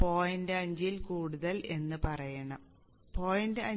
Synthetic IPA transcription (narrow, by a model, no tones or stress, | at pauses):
po̞ːjindeɐɲd͡ʑilkuːɽuðɐle̞nːɨpɐrɐjɐɳɐm | po̞ːjindeɐ